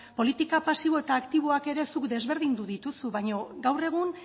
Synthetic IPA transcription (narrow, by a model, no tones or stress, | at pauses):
po̞lit̪ikapasiβo̞et̪aːkt̪iβ̞o̞ake̞ɾe̞sukd̪e̞zβe̞ɾðind̪uðit̪usuβaɲo̞ɡawre̞ɣ̞un